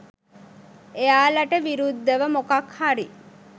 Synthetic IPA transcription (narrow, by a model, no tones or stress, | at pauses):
ejaːlɐʈəʋiɾud̪ːəʋəmokɐkhaɾi